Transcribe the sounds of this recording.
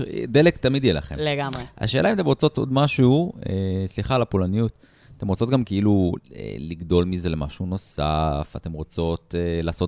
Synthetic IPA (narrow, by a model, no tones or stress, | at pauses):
d̪e̞lekt̪amid̪jela̰χemleɡamea̰ʃe̞ːlaimat̪emʁot͡so̞t̪o̞̰d̪maʃuuesliχalapolanijut | t̪e̞mʁo̞t͡so̞t̚ɡamkeiluḛliɡdo̞lmize̞lema̰ʃuno̞safat̪e̞mʁot͡so̞telaːso̞t